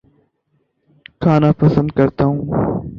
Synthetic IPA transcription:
kʰaːnaːpəsə̃nd̪̚kəɾt̪aːũː

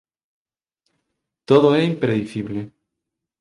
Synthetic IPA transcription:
t̪oðoɛimpɾeðiθiβle

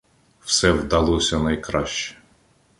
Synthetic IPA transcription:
wsɛwd̪ɐlˠɔsʲɐnɐjkɾɑʃt͡ʃɛ̥

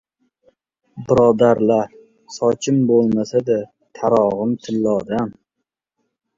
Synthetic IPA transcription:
bɪɾɒd̪aɾla | sɒt͡ʃʰɪmbolˠmasad̪a | t̪ʰaɾɒʁɨmt̪ʰɪlːɒd̪am

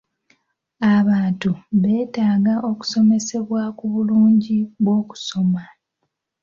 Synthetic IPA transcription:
aβaːntuβe̞ːtaːɡaʔo̞ku̥so̞me̞se̞βwakuβuluːɲɟiβwo̞ːku̥so̞ma

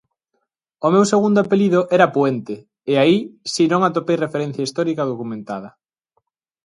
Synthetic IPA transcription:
omewseɣund̪oapeliðoʔɛɾɐpwent̪ɪ | eaisinõŋat̪opejrefeɾẽn̟θjaist̪ɔɾikɐð̞okumẽnt̪að̞ɐ

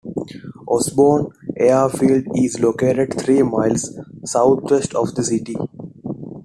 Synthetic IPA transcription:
ʔɔsboːnʔeːafiːlɖizloːkeːʈeɖt̪ʰɾiːmaɪlzsaʊt̪ʰʋesʈʰɔːʋd̪əsiʈi

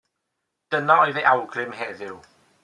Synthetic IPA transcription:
d̥ənaɔjðeʔawɡrɪmhɛðɪw

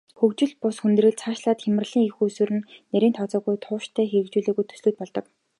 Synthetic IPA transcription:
xɵkt͡ɕɪ̆ɮpʊsxunt̪̆rɘ̆ɮt͡sʰaːʃɮaːt̪xʲemɘ̆rɮ̥iːŋixusɘɾɘ̆nːeɾʲiːnt̪ʰɔt͡sɔːɣujt̪ʰʊːʃt̪ʰæːxeɾɘ̆kt͡ɕuːɮɵːɣujt̪ʰɵ̥sɮŭːt̪̚pɔɮt̪ɞ̆k

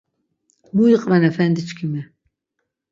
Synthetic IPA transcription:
mujiqʼvɛnɛfɛnd̪it͡ʃʰkʰimɛ

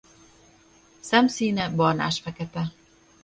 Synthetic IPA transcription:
sɛmsiːnɛbɒrna̰ːʃfɛkɛt̪ɛ

